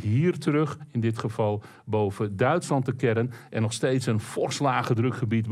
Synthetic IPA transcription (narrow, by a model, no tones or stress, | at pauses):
ɦiːərtərøχɪndɪtχəvɑlˠ | bowvədœɥtslɑntəkɛɾənʔɛnɔχsteːtsənfɔrslaːɣədrɵkχəbitb